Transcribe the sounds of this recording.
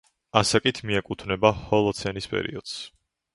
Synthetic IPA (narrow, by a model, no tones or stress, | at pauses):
asakʼit̪ʰmiɛkʼut̪ʰvnɛbahɔlˠɔt̪sʰɛnispʼɛ̰ɾḭɔd̪̥s